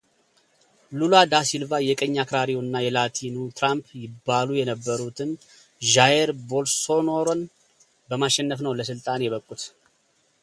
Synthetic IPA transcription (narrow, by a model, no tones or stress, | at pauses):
lulad̪asilvajɛkʼəɲːakɾaɾijoɨnːajɛlat̪ʰinut̪ʰɾampʰjɪbːalujɛnəbːəɾut̪ʰɨm | ʒajeɾbo̞lso̞noɾon | bəmaʃːɛnːəfnəwləs̬ɨlt̪ʼanjɛβəkʼːut̪